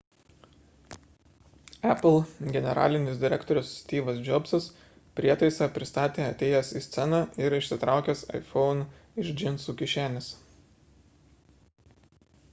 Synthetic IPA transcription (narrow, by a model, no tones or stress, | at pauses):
æplˠɡʲɛnʲɛɾɑ̰ːlʲɪnʲɪsd̪ʲɪɾʲɛkt̪ɔɾʲʊssʲt̪ʲiːʋɐsd͡ʒʲɔbsɐs | pʲɾʲiɛt̪ɐɪsɑːpʲɾʲɪst̪ɑːt̪ʲeːɐt̪ʲeːjɛsiːsʲt̪sʲɛnɑɪɾɪʃʲsʲɪt̪ɾʔɑˑʊkʲɛːsɐ̰ɪfɔʊn | ɪʒd͡ʒʲɪnsuːkʲɪʃʲæːnʲɪs